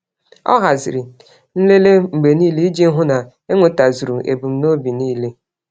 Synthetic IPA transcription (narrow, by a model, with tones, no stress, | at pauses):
ɔ̰˦ɦa˨zɪ˨ɾi˨ | n̩˦le˦le˦ŋ͡m̩˨ɡ͡be˨ni˦li˦d͡ʒi˦ŋ̩˦ɦʊ˦na˨ | e˦ŋʷe˨ta˨zu˨ɾu˨ʔḛ˨bu˨m̩˦no˦bi˨niː˦le˦